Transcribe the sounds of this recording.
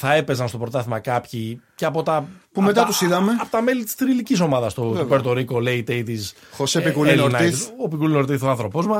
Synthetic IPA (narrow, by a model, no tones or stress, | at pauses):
θɐe̞pe̞zɐnst̪o̞pɾot̪ɐθimɐkɐpçiceɐpo̞t̪ɐpumet̪ɐt̪usiðɐmeɐpot̪ɐme̞lit̪i̥st̪ɾiliciso̞mɐðɐst̪ot̪opeɾt̪o̞ɾiko̞leit̪eit̪is | xosepikulenoɾnɐit̪opikulinoɾt̪iθoɐnθɾo̞pozmɐ